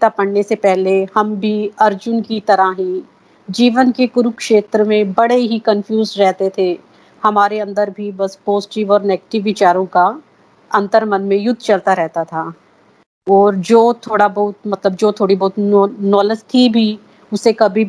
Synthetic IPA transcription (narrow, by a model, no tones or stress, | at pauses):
t̪apɐɽnesepɛɦlehɐmbʱiɐɾd͡ʒʊnkit̪ɐɾaɦĩ | d͡ʒiːʋənkekʊɾʊkʃeːt̪ɾəmẽbɐɽeɦikɐnfʰjuːzɾɛɦt̪et̪ʰe | hɐmaːɾeɐ̃nd̪əɾbʱibɐspoːsʈiʋɔːɾnɛːɡʈɪʋːɪt͡ʃaːɾõka | ɐ̃nt̪əɾmɐnmẽjʊd̪ʱːt͡ʃɐlt̪aɾɛɦt̪at̪ʰaː | ɔːɾd͡ʒoːt̪ʰoːɽabɐɦʊt̪mɐt̪ləbd͡ʒoːt̪ʰoːɽibɔɦʊt̪nɔːləst̪ʰibʱi | ʊsekɐbʱi